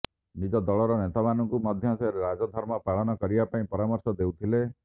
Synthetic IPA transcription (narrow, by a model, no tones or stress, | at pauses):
nid͡ʒɔd̪ɔɭɔɾɔnet̪amanɔŋkumɔd̪ʱjɔsɾeɾad͡ʒɔd̪ʱɔɾmɔpaɭɔnɔkɔɾibapaĩpɔɾamɔɾsɔd̪ewt̪ʰile